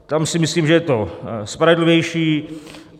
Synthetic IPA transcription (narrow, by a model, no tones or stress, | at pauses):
t̪amsɪmɪsliːmʒɛjɛt̪ospɾavɪdlɪvjɛjʃiː